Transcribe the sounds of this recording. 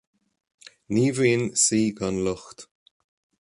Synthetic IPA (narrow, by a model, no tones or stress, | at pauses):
niːviːnsiːɡanlʊxt̪